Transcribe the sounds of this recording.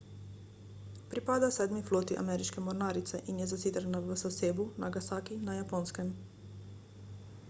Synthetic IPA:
pɾipad̪asɛːd̪mifloːt̪iʔa̰mɛɾit͡ʃkemoɾnaːɾit̪sɛʔinjɛzasiːd̪ɾnaʋəsaseːbunaɡasaːkinajapoːnskɛm

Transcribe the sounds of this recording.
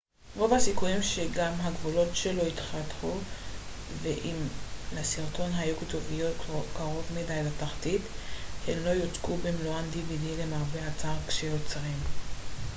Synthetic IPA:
ʁo̞vhasikujimʃeɡamɦaɡvulo̞tʃelo̞itχatχu | veʔimlesiʁto̞nɦajuketovijo̞tkaʁo̞vmidajlataχtithemlo̞jot͡skubemluand̪ividile̞maːveat͡saʁkʃejot͡sʁim

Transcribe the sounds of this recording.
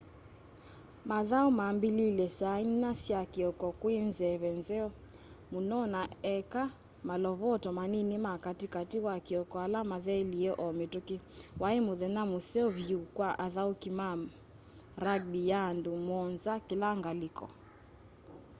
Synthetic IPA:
maðaumambililɛsannasjakeɔkɔkwenzɛβɛnzɛɔ | munɔnaɛka | malɔβɔtɔmaninɪmakatikatiwakeɔkɔalamaðɛliɛʔɔmetokɪwaemoðɛnamosɛɔβjukwaʔaðaukima | ɾaɡ̚bijandumɔnzakelaŋɡalɪkɔ̰

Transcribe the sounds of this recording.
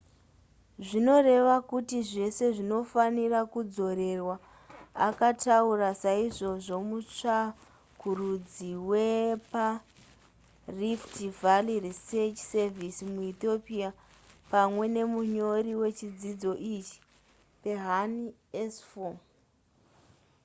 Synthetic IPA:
ʐino̞re̞ʋakutiʐe̞se̞ʐino̞fanirakud͡zo̞ɾe̞rwa | akataurasaiʐo̞ʐo̞mut͡ʂa | kurud͡ziwepa | riftivaliriset͡ʃsevisimuit̪o̞pia | pamwe̞ne̞muɲo̞riwe̞t͡ʃid͡zid͡zo̞ʔit͡ʃi̥ | pe̞ɦani | esfo

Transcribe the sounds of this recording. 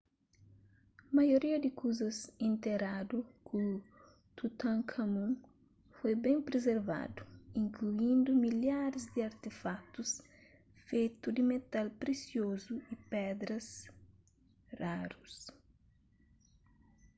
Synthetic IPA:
mɐjoɾiɐd̪ɪkuzɐsĩnt̪eɾad̪ukʰu | t̪ut̪ãŋkʰɐmũŋ | fojbẽmpɾezeɾva̰d̪uĩŋkluĩnd̪umiljaɾɪzd̪iɐɾt̪efak̚t̪us | fejt̪ud̪ɪmet̪alpɾesjozuipɛd̪ɾɐs | raɾus

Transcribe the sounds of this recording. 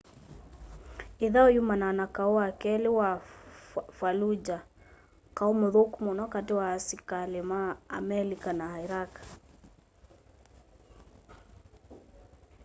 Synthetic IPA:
iðaɔjumananakauakɛlɪwa | falud͡ʒa | kaumoðokumɔnɔkatewaːsikalema̰ːmɛlikanaaiɾak

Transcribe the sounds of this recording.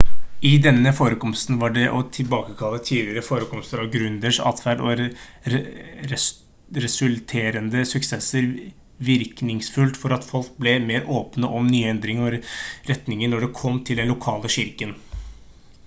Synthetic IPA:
ɪd̪ɛnːəfoːɾəkɔmst̪n̩ʋɑɖɛʔɔt̪ʰɪlbɑːkəkʰɑlːət̪ʰiːd̪lɪəɾəfoːɾəkʰɔmst̪əɾɑʋɡɾʉnd̪əʂɑ̰ːt̪fæɖɔ̰ | ɾɛsʉlt̪ʰeːɾənd̪əsʉkseːsəɾ | ʋɪɾknɪŋsfʉlt̪fɔɾɑt̪fɔlkblɛmeːɾʔoːpnəʔɔmnyːɛnd̪ɾɪŋɔɾɛt̪nɪŋəɳnɔɖɛkʰɔmːt̪ʰɪld̪ɛnlʊkʰɑːləɕɪɾkən

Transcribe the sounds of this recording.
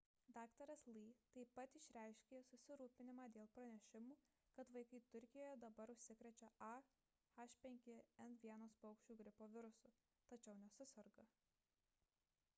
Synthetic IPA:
d̪ɑːkt̪ɐɾɐslˠiːt̪ɐɪpːɐt̪ɪʃʲɾʲæˑɪʃʲkʲeːsʊsʲɪɾuːpʲɪnʲɪmɑːd̪ʲeːlˠpɾɐnʲɛʃʲɪmuː | kɐt̪ʋɐɪkɐɪt̪ʊɾʲkʲɪjoːjɛd̪ɐbɐɾʊʃʲsʲɪkɾʲɛt͡ʃʲɛɐ | xɐʃʲpʲɛŋʲkʲɪɛnʋʲiɛnoːspɐʊkʃʲt͡ʃʲuːɡɾʲɪpoːʋʲɪɾʊsʊ | t̪ɐt͡ʃʲɛʊnʲɛsʊsɐɾɡɐ

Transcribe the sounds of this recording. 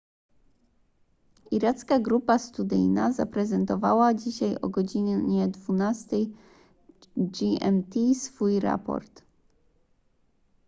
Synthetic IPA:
iɾat̪skaɡɾupast̪ud̪ɘ̰jnaza̰pɾɛzɛnt̪ɔva̰wad͡ʑiɕajɔ̰ɡɔd͡ʑiɲɲɛd̪vunast̪ɛj | ɡiɛ̰mt̪ʲisfujɾa̰pɔ̰ɾt̪

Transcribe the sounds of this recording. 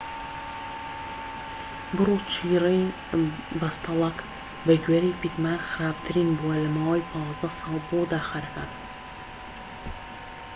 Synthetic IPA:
bɨrut͡ʃʰiːrɛj | bɐst̪ɑlˠɐk | bɐɡɥeːɾijpit̪maːɾxɨɾaːb̚t̪ʰɨɾiːnbuwɐlɐmaːwɐjpʰɑːzd̪ɐsɑːlˠbod̪aːxaɾɐkaːn

